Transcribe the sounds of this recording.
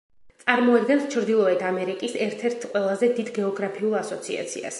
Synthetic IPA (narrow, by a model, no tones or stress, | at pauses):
t̪sʼaɾmɔad̪ɡɛnst͡ʃʰɾd̪ilˠɔɛt̪ʰamɛɾikʼisɛɾt̪ʰɛɾt̪ʰqʼwɛlˠazɛd̪id̪ɡɛɔɡɾapʰiulˠasɔt̪sʰḭa̰t̪sʰḭa̰s